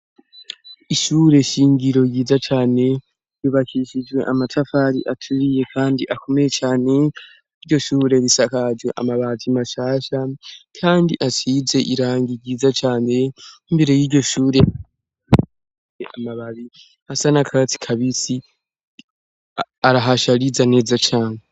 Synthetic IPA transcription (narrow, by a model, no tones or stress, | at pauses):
iʃuːɾe̞ʃiːŋɡiɾo̞jiːzat͡ʃaːne̞ | juβakʰiʃid͡ʒwe̞̰ʔamatʰafaɾḭʔatʰuβije̞kʰaːndiʔakʰo̞mejet͡ʃaːne̞ | iɾɟo̞ʃuːɾe̞βisakad͡ʒwe̞ʔa̰maβazimaʃaːʃakʰaːndiʔatiːze̞ʔiɾaːŋɡiɾɟiːzat͡ʃaːne̞imbe̞ɾe̞jiːɾɟo̞ʃuːɾe̞a | a | eʔamaβaβi | hasanakʰaɡt͡si̥kʰaβisi | aɾaɦaʃaɾizane̞ːzat͡ʃaːne